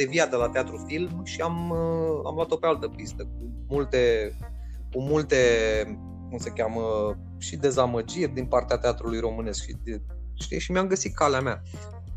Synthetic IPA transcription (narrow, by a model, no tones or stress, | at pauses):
d̪eviad̪elat̪eat̪ɾufilmʃiaməa̰mlwat̪o̞pealt̪əpist̪ək̚u | mult̪e̞ | kumult̪e̞ | kumsəkʲamə | ʃid̪e̞zaməd͡ʒirʲd̪inpart̪eat̪eat̪ɾulujɾo̞mɨne̞skʃid̪ | ʃt̪ḭʃimeamɡəsit̪̚kaleamea